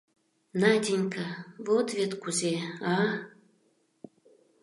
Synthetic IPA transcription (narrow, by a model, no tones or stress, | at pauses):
nad̪ʲinʲkavot̪vʲet̪kuzʲeɑ